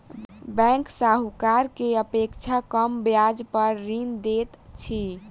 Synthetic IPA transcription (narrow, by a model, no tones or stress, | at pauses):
bɛ̃ŋksaɦukaɾkeəpekt͡ʃʰakəmbjad͡ʒpəɾːind̪et̪t͡ʃʰi